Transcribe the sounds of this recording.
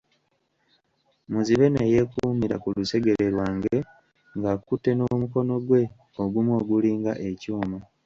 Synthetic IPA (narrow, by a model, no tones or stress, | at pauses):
muziβe̞neje̞kumiɾa̰kuluse̞ɡe̞ɾeɾwaːŋɡe̞ | ŋɡakutːe̞no̞muko̞no̞ɡwe̞ | oɡumwo̞ːɡuliːŋɡaʔe̞cuːma